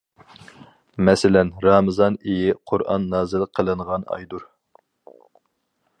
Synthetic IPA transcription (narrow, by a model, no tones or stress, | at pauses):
mɛsɪlɛnɾɑːmɨzɑnejɪqʰʊɾʔɑ̰nːɑːzɨlˠqʰːəlˠɨɴʁɑnɑ̰jd̪uɾ